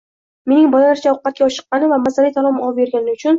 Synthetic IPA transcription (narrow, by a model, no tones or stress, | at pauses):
me̞nɪŋbɒlalaɾt͡ʃʰaɒqːɑt̪̚kʲaɒʃɨ̥qːɑnɪvamazalit̪ʰalˠɒmɒpbe̞ɾɡʲanɪʊt͡ʃʰʊn